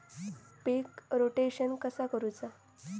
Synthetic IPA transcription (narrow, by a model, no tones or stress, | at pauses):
pekɾoʈeɕənkəsakəɾut͡sa